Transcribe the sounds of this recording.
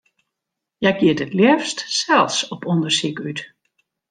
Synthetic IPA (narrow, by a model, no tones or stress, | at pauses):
jɛjkjiətətljɛfstsɛlˠsɔpɔndərsikyt